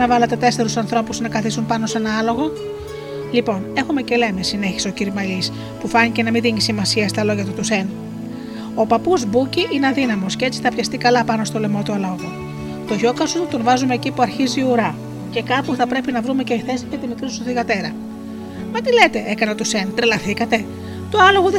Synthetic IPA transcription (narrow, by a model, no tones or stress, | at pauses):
nɐvɐlɐt̪e̞t̪e̞se̞ɾusɐnθɾo̞puznɐkɐθisunpɐno̞se̞nɐɐlo̞ɣo̞ | lipo̞ne̞xume̞ce̞le̞mesine̞çi̥so̞ciɾmɐlis | pufɐɲice̞nɐminðiɲisimɐsiɐst̪ɐlo̞ʝɐt̪ut̪use̞n | o̞pɐpuzbuciʔineɐðinɐmo̞scee̞t͡si̥θɐpçɐst̪ikɐlɐpɐno̞st̪o̞le̞mo̞t̪uɐloɣo | t̪o̞ʝo̞kɐsut̪t̪o̞nvɐzumeːcipuɐɾçiziuɾɐ | ce̞kɐpuθɐpɾe̞pinɐvɾume̞ceiθe̞siʝɐt̪imit̪ɾisust̪oθiɣɐt̪e̞ɾɐ | mɐt̪ile̞t̪e̞ʔe̞kɐneot̪use̞nt̪ɾelɐθikɐt̪e̞ | t̪oɐlo̞ɣoðe